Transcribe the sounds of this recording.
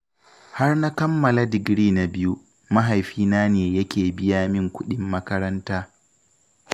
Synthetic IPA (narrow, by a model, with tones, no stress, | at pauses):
ha˦rna˦kɐ˦mːɐ˨la˦dɪ˨ɡɾiː˦na˨bɪ˦ju˦ | mɐ˦ɦa˨jɸiː˦naː˦neː˨jɐ˦kʲeː˨bɪ˦jaː˦mɪ˦ŋkʷʊ˦ɗɪ˦mːɐ˦kɐ˦ɾɐ˦ntaː˦